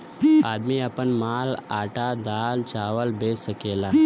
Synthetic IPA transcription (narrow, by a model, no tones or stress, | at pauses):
aːd̪miɐpənmaːlaːʈad̪aːlt͡ʃaːʋəlbeːsəkeːlaː